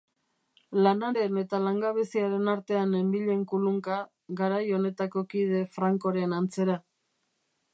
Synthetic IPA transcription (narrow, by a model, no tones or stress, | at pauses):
lanaɾe̞ne̞t̪alaŋɡaβesiaɾe̞naɾt̪e̞ane̞mbiʎe̞ŋkuluŋka | ɡaɾajo̞ne̞t̪ako̞kið̞e̞fɾaŋko̞ɾe̞nant͡se̞ɾa